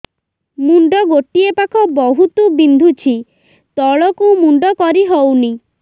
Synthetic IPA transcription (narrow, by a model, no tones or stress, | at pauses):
muɳɖɔɡoʈiepakʰɔbɔɦut̪ubind̪ʱut͡ʃʰi | t̪ɔɭɔkuwmuɳɖɔkɔɾiɦowni